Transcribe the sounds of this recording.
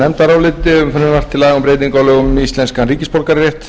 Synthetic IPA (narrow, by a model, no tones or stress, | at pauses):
nɛmt̪aɾawlɪt̪ɪʏmfɛnːʏɾvar̥t̪ʰːɪlaːɣʏmpɾejt̪ɪŋkawlʏɣʏmist̪lɛnskanɾiːcɪspowlkaɾrjɛht̪